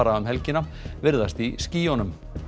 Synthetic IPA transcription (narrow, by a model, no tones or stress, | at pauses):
aɾaʏmɦɛlcɪna | vɪɾðast̪isciːjɔnʏm